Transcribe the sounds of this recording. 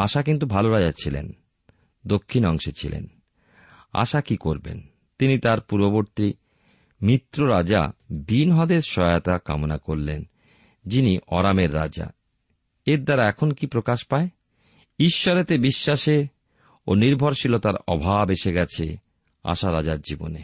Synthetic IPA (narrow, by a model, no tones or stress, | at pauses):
aʃakint̪̬ubʱaloɾad͡ʑat͡ɕʰilḛn | d̪okʰːinɔŋʃet͡ɕʰilḛn | a̰ʃakikoɾbḛn | t̪init̪aɾpuɾboboɾt̪i | mit̪ːɾoɾad͡ʑa̰binɦɔd̪eɾʃɔat̪aka̰monakoɾlen | d͡ʑiniʔɔɾameɾːa̰d͡ʑa̰ | eɾd̪aɾaɛkʰonkipɾokaʃpae | iʃːɔɾet̪ebiʃːaʃe | oniɾbʱoɾʃilot̪aɾɔbʱabeʃeɡɛt͡ɕʰe | a̰ʃaɾad͡ʑaɾd͡ʑibo̰nḛ